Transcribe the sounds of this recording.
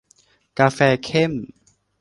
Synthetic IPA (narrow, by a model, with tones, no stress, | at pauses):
kaː˧fɛː˧kʰe˥˩m